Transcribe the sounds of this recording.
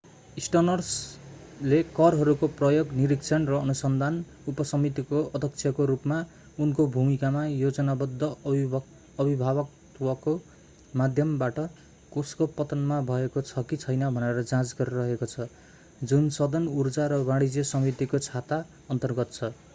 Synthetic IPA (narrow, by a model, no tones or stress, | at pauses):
isʈʌnʌrs | lekʌrɦʌɾukoprʌjoɡniɾikt͡sʰʌnrʌːnusʌnd̪ʱan | upʌsʌmit̪ikoʌd̪ʱʌk̚t͡sʰjʌkoɾupma | unkobʱumikamajod͡zʌnabʌd̪ʱːʌː | bibʱaβʌk̚t̪wʌko | mad̪ʱjʌmbaʈʌ | koskopʌt̪ʌnmabʱʌekot͡sʰʌkit͡sʰʌjnʌbʱʌneɾʌd͡zãd͡zɡʌɾirʌɦekot͡sʰʌ | d͡zunsʌd̪ʌnurd͡zaɾʌbaɽid͡zjʌsʌmit̪ikot͡sʰat̪a | ʌnt̪ʌrɡʌt̪t͡sʰʌ